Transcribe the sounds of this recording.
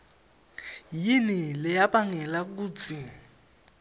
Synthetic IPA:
jinilɪjapaŋɛlak̬uːt͡sʰi

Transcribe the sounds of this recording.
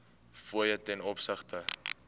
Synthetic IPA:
fuəjətɛnɔpsəχtə

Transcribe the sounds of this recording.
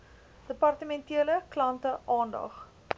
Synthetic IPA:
d̥əpɐrtəmɛntiələklɐntəʔɑːndɐ̰χ

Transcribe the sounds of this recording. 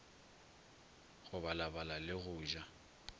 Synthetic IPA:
ɣʊbalabalalɪɣʊːʒa

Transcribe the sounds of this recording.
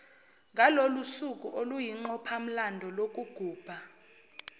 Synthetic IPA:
ŋʱalolusukʼuʔolujiŋ͡ǃɔpʰam̩landʱɔlok̬ʼuɡ̥ʱuːb̥ʱa

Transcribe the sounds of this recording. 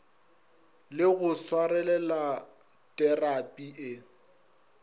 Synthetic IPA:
lɪɣʊswarɛlɛla | tʼɛrapʼiʔɪ

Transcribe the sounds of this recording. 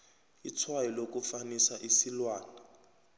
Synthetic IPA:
it͡sʰwailok̬ufanisaʔisilwaːna

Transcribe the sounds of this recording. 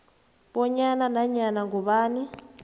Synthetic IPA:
ɓɔɲananaɲanaŋɡuβaːni

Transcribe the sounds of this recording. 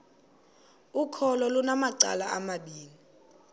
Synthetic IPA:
ukʰɔlɔlunamaǀa̰laʔamaɓiːni

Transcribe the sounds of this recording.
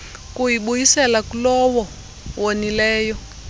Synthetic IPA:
kuɦiɓujisɛlakulɔwɔ | wonilɛːjɔ

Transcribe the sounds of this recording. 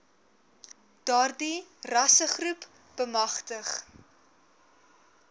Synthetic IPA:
d̥ɑːrdirɐsəχrup | b̥əmɐχtəχ

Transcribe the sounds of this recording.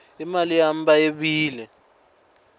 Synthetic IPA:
imalijam̩bajeɓiːlɛ

